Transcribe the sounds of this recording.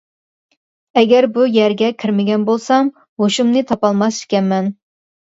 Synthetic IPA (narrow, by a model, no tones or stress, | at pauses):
ɛɡʲɛɾbujæɾɡʲɛkʲʰiɾmɪɡʲɛnbolˠsɑm | hoʃumnɨt̪ʰɑpɑlˠmɑsi̥kʲɛnmɛn